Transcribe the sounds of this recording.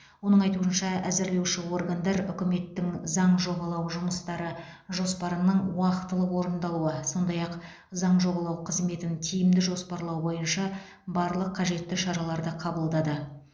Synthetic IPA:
wo̞nəɴɑjt̪uənʃɑæzɪɾle̞wʃɪwo̞rɡand̪ɑɾʏkʲɪme̞t̪ːɪŋzɑɴʒo̞bɑlˠɑwʒʊməst̪ɑɾəʒo̞spɑɾənəɴwɑqət̪ːəlˠəqwo̞ɾənd̪ɑlˠuəso̞nd̪ɑjɑq | zɑɴʒo̞bɑlˠɑwqʰəzme̞t̪ɪnt̪ʲʰijɪmd̪ɪʒo̞spɑɾlˠɑwbo̞jənʃɑ | bɑɾlˠəqʰːɑʒe̞t̪ːɪʃɑɾɑlˠɑɾd̪əqʰɑbəlˠd̪ɑd̪ə

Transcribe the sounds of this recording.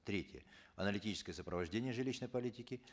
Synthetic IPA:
t̪ɾʲetʲjə̰ɐnəlʲɪtʲit͡ɕɪskəjəsəpɾəvɐʐdʲenʲɪjəʐɨlʲiɕnəjpɐlʲitʲɪkʲɪ

